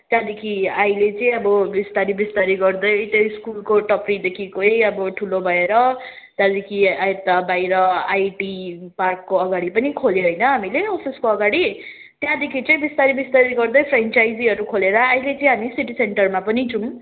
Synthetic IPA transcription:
t̪jãd̪ekʰiajlet͡sʌĩʌbʌbist̪aɾibist̪aɾiɡʌrd̪ʌjt̪ʌskulkoʈʌprid̪ekʰikoejʌbʌʈʰulobʱʌeɾʌ | t̪ãd̪ekʰiaet̪ːabajɾʌajʈiparkːoʌɡaɽipʌnikʰoljoɦʌjnʌɦamileɔpʰiskoʌɡaɽi | t̪jãd̪ekʰit͡sʌĩbist̪aɾibist̪aɾiɡʌrd̪ʌjpʰrent͡sajd͡ziʌɾukʰoleɾʌajlet͡sʌĩɦamisiʈiseɳʈʌrmapʌnid͡zum

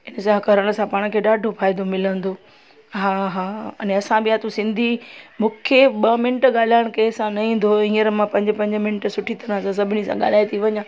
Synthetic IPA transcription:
ɪnəsãɦɐkəɾəɽ̃̆sãpaːɽ̃kʰeːɗaːɖʱofaːɪd̪omɪlə̃nd̪oː | ɦaːɦaːɐnɐsãbɪjat̪usɪ̃nd̪ʱimʊkʰeɓɐmɪnəʈɠaːl̤aːɪɽ̃keːsãnɐɦĩːn̆d̪oĩːəɾmãpɐ̃ɲd͡ʑpɐ̃ɲd͡ʑə̆mɪnʈsʊʈʰit̪ɐɾãsãs̬ɐbʱɪnisã̰ɠa̰ːl̤aːit̪ʰiʋɐɲãː

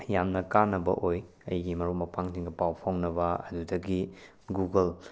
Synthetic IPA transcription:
jamnɐkanːɐbɐ̰ʔoj | ɐ̰jɡimɐɾumɐpaŋtiŋɡɐpawpʰoŋnɐbɐɐ̰dudɐɡi | ɡuɡɐl

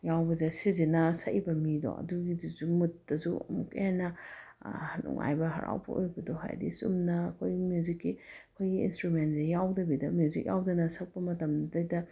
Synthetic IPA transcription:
jawbɐzesizinɐsɐibɐmidɔ̰ɐ̰duɡiduzumutːɐsuɐ̰mukɐ̰janːɐ | hnṵŋʔa̰jbɐɦɐ̰ɾa̰wbɐ̰ʔojbɐdoɦa̰jdisṵmnɐːkʰojɡimjuzikːiɐkʰojɡiḭnstɾument̚zejawdɐbidɐmjuzik̚jawdɐnɐsɐk̚pɐmɐtɐmdɐjdɐ

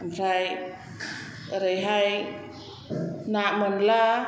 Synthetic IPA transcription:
amraj | ɾəjɦaj | naʔmonla

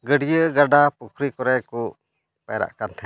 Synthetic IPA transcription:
ɡəɽijəɡaɖapukʰɾikɔɾɛjkɔ | pɛ̰jɾa̰ʔkant̪ʰɛ

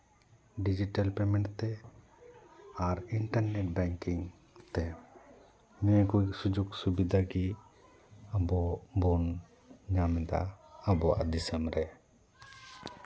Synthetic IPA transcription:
ɖid͡ʒiʈalpɛmɛ̃ɳʈt̪ɛ | aɾiɳʈaɾnɛʈ̚bɛŋkiŋ | t̪ɛ | mɛkuiksud͡ʒuksubid̪ʱaɡi | abɔbɔn | ɲamɛd̪a̰ːbɔa̰ʔd̪isɛmɾɛ

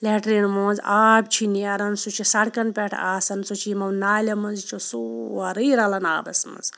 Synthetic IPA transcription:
leʈɾinmõːzaːb̚t͡ʃʰiniɐɾɐnsut͡ʃʰisɐɽkɐnpʲeʈʰa̰ːsɐnsut͡ʃʰimɐwnaːlʲɐmɐnzt͡ʃʰosuɐɾəjɾɐlɐnaːbɐsmɐ̰z

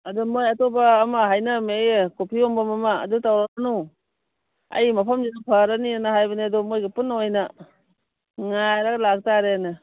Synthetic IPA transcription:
adɔmojatobaːmaɦajnamekopʰiombamama̰ːdutawɾaanu | ɐ̰jmapʰamzidapʰaɾanianahajbaniadɔmojɡipunojna | ŋajɾaɡalak̚taɾenɯ

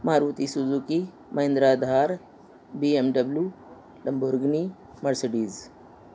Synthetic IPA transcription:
maɾut̪isuzuki | mɐẽnd̪ɾad̪ʱaɾ | biemɖəblju | ləmbuɾɡni | məɾsəɖiːz

